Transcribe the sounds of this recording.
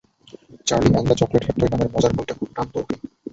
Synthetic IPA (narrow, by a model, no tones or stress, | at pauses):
t͡ɕaɾlimand̪at͡ɕɔkleʈʰek̚t̪ːoɾenameɾmɔd͡ʑaɾbolt̪ekʰuɾant̪ooke